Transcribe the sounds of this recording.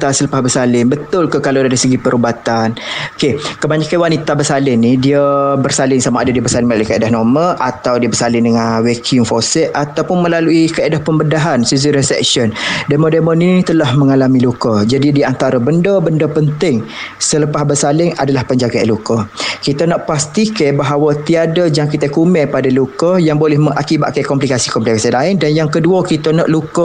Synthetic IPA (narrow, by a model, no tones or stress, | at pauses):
t̪asələpahbərsalɪŋbət̪ʊlkəkaladaɾisəɡipəɾubat̪anokekəmaɲakanwanit̪abərsalɪnidiəbərsalɪŋsamaadadiəbərsalɪŋməlaluikəedaɦnɔməʔat̪awdiəbərsalɪŋdəŋanwekʰuŋfosɛʔat̪awpʊnməlaluikəedahpəmbədaɦansuz̬uɾisɛ̰k̚ʃɔndemodemɔninit̪əlahməŋalamilukəd͡ʒadidiant̪aɾabəndəbəndəpənt̪ɪŋsələpahbərsalɪŋa̰dalahpəɲd͡ʒaɡaa̰lukəkit̪anaʔpast̪ikajbaɦawat̪iadad͡ʒaŋkit̪akumɛpadalukəjaŋbolɛhməŋʔakiba̰ʔ̪̚kajkɔmplikasikɔmplikasianlaɪndanjaŋkəduəkit̪ana̰ʔlukə